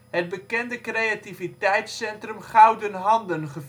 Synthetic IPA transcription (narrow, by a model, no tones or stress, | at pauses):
ɦəd̚bəkɛndəkrejativitɛjtsɛntrəmχɑwdənɦɑndənχə